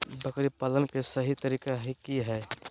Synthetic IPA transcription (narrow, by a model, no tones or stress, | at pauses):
bəkɾipalənkesəɦit̪əɾiːkaɦikiɦɛ